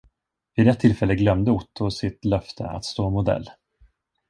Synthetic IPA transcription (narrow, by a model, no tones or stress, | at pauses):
vɪd̪ɛt̪ʰːɪlfɛlːəɡlœmd̪əʊʈ̪ʰːʊsɪt̪lœft̪ʰə̰a̰t̪st̪oːmʊd̪ɛ̰lː